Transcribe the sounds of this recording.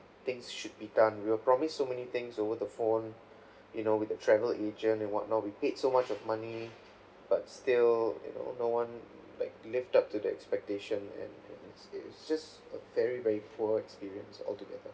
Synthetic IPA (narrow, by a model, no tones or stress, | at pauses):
t̪ɪ̃ŋsʃud̚bidãnwiwəpɹɔmisːomɛnit̪ɪ̃ŋsovədəfõn | junowɪθətʰɹɛvəlʔed͡ʒə̃ntɛ̃nwɔ̰t̚ⁿnɔt̚wipedsomat͡ʃɔvmani | b̥atstiljṵno̰nowãn | laɪk̚lɪftap̚tudiɛ̰kspɛk̚teʃə̃nɛ̰̃nɛ̰̃nɪtsɪɪtsd͡ʒast | əvɛɹivɛɹipʰuəɛkspiɹiə̃nsɔ̰ltuɡɛdə